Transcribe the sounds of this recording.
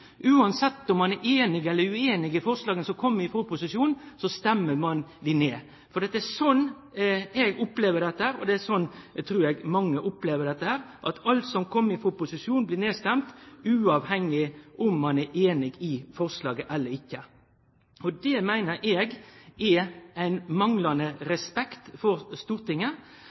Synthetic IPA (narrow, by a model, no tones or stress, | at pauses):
ʔʉːɑnsɛt̪ːɔmːɑnæːʔeːnɪɡɛlːəɾʉeːnɪɡɪfɔɾslɑːɡənsɔkʰɔmːəɪfoːpʰʊsɪʂuːnsɔst̪ɛmːəɾmɑnd̪ɪneː | fɔɾd̪ɛɑt̪ːɛæsɔnː | ɛɡʊpleːʋəɖɛt̪ːəhæːɾɔ̰d̪ɛæsɔnːt̪ʰɾuːɾɛɡmɑŋːəʔʊpleːʋəɖ̪ɛt̪ːəhæːɾʔɑt̪ɑlt̪sɔmkʰɔmːɪfɔpʊsɪʂuːnblɪneːst̪ɛmt̪ʉːɑʋhɛŋːɪʔʊmːɑnæːʔeːnɪɡɪfɔɾslɑːɡəʔɛlːəɾɪkːə | ɔd̪ɛmæɪnəɾʔɛːɡɛæɪnmɑŋlɑnəɾɛspɛkt̪fɔɾst̪uːɾt̪ɪŋːə